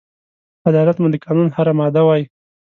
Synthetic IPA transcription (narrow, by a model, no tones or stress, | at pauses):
ad̪ɑlat̪mud̪əkɑnunhaɾamɑd̪awɑji